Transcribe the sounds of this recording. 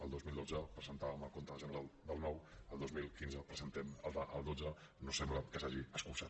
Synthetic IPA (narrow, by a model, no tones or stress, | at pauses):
əlˠd̪ozmilˠd̪od͡zəpɾəzənt̪aβəməlˠkont̪əʒənəɾalˠd̪əlˠnɔwəlˠd̪ozmilˠkinzəpɾəzənt̪ɛməlˠd̪əʔəlˠd̪od͡zə | nosɛmbləkəsaʒiəskulsat̪